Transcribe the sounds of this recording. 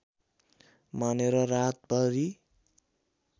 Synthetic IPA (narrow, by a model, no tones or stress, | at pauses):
maneɾʌrat̪̚bʌɾi